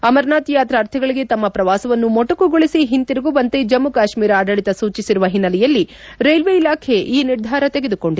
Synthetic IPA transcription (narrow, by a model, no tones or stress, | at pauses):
ɐmɐɾnaːt̪ijaːt̪ɾaːɾt̪ʰɐɡɐɭiɡe̞t̪ɐmːɐpɾɐʋaːsɐʋɐnːumɔʈɐkuɡoɭisiɦint̪iɾɐɡuʋɐnt̪ed͡ʒɐmːukaːʃmiːɾaːɖɐɭit̪ɐsuːt͡ʃisiɾuʋɐɦinːɐlɛjɐlːi | ɾejlʋeilaːkʰe̞ʔiːniɾd̪ʱaːɾɐt̪e̞ɡed̪uko̞ɳɖi